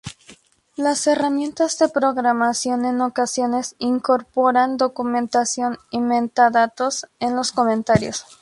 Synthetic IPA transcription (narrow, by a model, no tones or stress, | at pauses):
lase̞ramjẽ̞nt̪azðe̞pɾo̞ɣɾamasjo̞ne̞no̞kasjo̞ne̞siŋko̞ɾpo̞ɾand̪o̞kumẽ̞nt̪asjo̞nimẽnt̪aðat̪o̞se̞nlo̞skomẽnt̪aɾjo̰s